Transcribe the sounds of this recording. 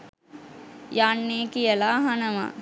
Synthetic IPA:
janːeːkijəlaːɦanəʋa̰

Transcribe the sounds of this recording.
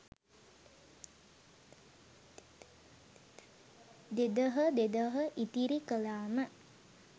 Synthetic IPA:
d̪ed̪əɦəd̪ed̪əɦəʔit̪iɾikəlaːmə

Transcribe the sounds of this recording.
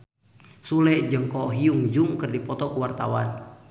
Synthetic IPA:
sulɛd͡ʒəŋkɔɦiuŋd͡ʒuŋkərdipɔt̪ɔkuwart̪a̰wan

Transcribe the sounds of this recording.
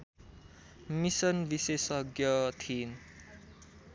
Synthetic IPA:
misʌnbisesʌɡjʌt̪ʰin

